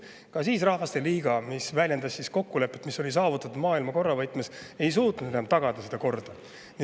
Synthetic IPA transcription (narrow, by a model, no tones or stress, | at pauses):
kɑsiːsrɑhvɑst̪e̞liːɡ̥ɑmisvælʲje̞nd̪ɑsːisko̞kːule̞pːˑet̪misːo̞lʲis̬ɑːvut̪ːˑɑt̪ud̪mɑːilmɑko̞rːɑvɑjt̪ˑmese̞js̬uːt̪nud̪enmt̪ɑɡ̥ɑd̪̥ɑsed̪̥ɑko̞rd̪̥ɑ | n